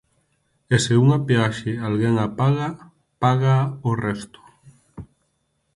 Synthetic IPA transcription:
eseuŋapeaʃɪalɣeŋapaɣa | paɣaorɛst̪ʊ̥

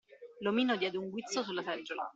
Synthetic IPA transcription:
lomiːnod̪jɛːd̪euŋɡwit̪sosulːasɛd͡ʒːola̰

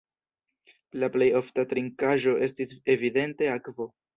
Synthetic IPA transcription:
laple̞jo̞ftatɾiŋkaʒo̞ʔe̞stise̞vide̞nte̞akvo̞

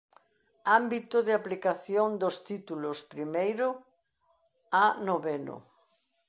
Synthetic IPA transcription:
ambit̪ʊðɪaplikaθjond̪ost̪it̪ulʊspɾimejɾʊ | anoβeno̰

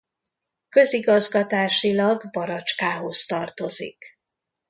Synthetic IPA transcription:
kø̞ziɡɒzɡɒt̪aːʃilɒɡbɒɾɒt͡ʃkaːɦo̞st̪ɒrt̪o̞zḭk

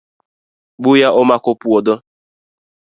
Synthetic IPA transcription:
ɡ͡bujaʔʊmakʊpuɔdɔ

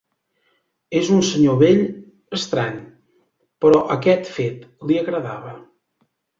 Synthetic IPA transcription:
ezunsəɲoβeʎ | əst̪ɾaɲ | pəɾɔʔəkɛt̪fet̪liəɣɾəða̰βə

